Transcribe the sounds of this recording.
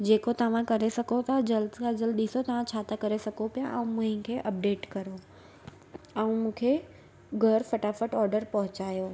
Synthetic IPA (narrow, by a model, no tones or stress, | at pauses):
d͡ʑeːkot̪ɐʋ̤ãkɐɾesɐɡʱot̪ʰad͡ʑɐlskʰad͡ʑəlɗɪsot̪ɐʋ̤ãt͡ɕʰaːt̪ʰakɐɾesɐɡʱopijaʔɛ̃ũmʊ̃ɦɪ̃kʰeʔɐp̚ɖeːʈkɐɾo | ɛ̃ũmũːkʰe | ɡʱɐɾfɐʈafəʈɔːɾɖəɾpɐɦʊt͡ɕaːjoː